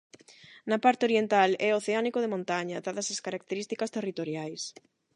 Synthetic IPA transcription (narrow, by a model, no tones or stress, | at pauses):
nɐpaɾt̪eoɾjent̪alɛoθeanikoðemõnt̪aɲɐd̪aðɐsɐskaɾak̚t̪eɾist̪ikɐst̪erit̪oɾjajs